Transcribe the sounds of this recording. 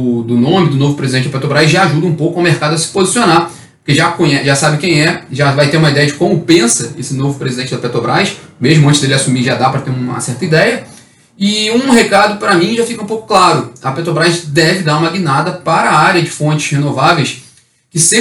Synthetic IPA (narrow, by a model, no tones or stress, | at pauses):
ʊd̪ʊnõmɪd̪ʊnovʊpɾezid̪ẽt͡ʃɪd̪ɐpet̪ɾobɾajzʒaaʒud̪ɐũpowkʊɐwmehkad̪ʊɐsɪ̥pozisiona | po̥keʒakõɲɛʒasabɪkẽj̃ɛʒavajt̪eɾũmɐid̪ɛjɐd͡ʒɪkõmʊpẽsɐesɪnovʊpɾezid̪ẽt͡ʃɪd̪ɐpet̪ɾobɾajʃmeʒmʊɐ̃t͡ʃɪzd̪elɪasumiʒad̪apɾɐt̪eũmɐ̰sɛɾt̪ɐid̪ɛjɐ | ɪũɦekad̪ʊpɾɐmĩʒafikɐũpowkʊ̥klaɾʊɐpet̪ɾobɾajʃd̪ɛvɪd̪aɾũmɐɡinad̪ɐpaɾɐaɾjɐd͡ʒɪfõnt͡ʃɪ̥ʃhenovavejs | kɪse